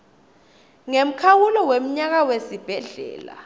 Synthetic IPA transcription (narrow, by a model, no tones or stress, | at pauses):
ŋem̩kʰawulɔwem̩ɲak̬awesib̥ʱɛɮɛ̰ːla̰